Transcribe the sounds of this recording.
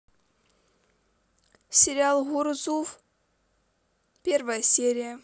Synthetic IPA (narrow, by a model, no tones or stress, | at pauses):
sʲɪɾʲalˠɣuɾzuf | pʲervəjəsʲeɾʲɪjə